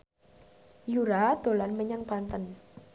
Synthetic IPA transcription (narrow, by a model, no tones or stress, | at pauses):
juɾad̪̥o̤lanməɲaŋpant̪ən